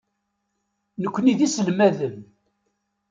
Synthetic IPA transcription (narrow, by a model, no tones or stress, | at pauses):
nəkʷːəniðisəlmæðəm